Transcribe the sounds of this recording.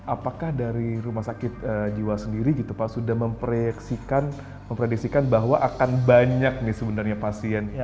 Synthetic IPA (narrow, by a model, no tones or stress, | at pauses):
ʔapakahdaɾiɾumahsakɪt̪̚əd͡ʒiwasəndiɾiɡit̪upaʔsudahməmpɾeksikan | məmpɾedik̚sikanbaɦwaʔakanbaɲak̚nɪhsəbənarɲapasiɛn